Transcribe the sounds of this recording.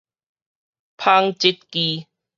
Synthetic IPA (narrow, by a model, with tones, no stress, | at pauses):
pʰa˧ŋt͡ɕi˦t̪̚ki˧